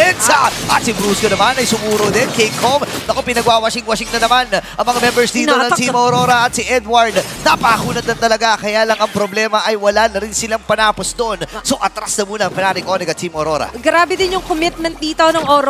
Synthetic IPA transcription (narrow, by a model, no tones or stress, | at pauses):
ɛnsɐʔɐt̪̚sɪbɾuːskonɐmanɐjsʊmuːɾod̪ɛnkejkʰomnɐkopɪnɐɡwaːwɐʃɪŋwɐʃɪŋnɐnɐmanʔɐŋmɐŋamɛmbɛɹsd̪iːt̪oɐsimɐoɾoːɾɐʔɐt̪̚sɪʔɛd̪wɐɹd̪nɐpɐʔɐhuːnɐd̪ɐnt̪ɐlɐɡakɐjaːlɐŋɐŋpɾoblɛːmɐʔɐjwɐlaːnɐɾɪnsɪlaŋpɐnaːposd̪oʔonso̞ʔɐt̪ɾasnɐmuːnɐɐŋfɛnaːnɪkʔoːnɛɡɐt̪simoɾo̞ɾɐ̰ɡɾaːbɛd̪ɪnjʊŋkomɪt̪̚mɛnt̪̚d̪iːt̪onɐŋoɾ